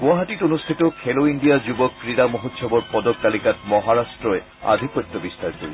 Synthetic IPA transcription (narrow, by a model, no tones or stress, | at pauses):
ɡũaɦatiʈonust̪ʰitɔkʰeloindijazubɔkːɹidamoɦotsʰɔbɔɹpɔdɔk̚talikat̚mɔɦaɹastɹɔɛ | a̰d̪ʱikpɔt̪ːɔbist̪aɹkoɹi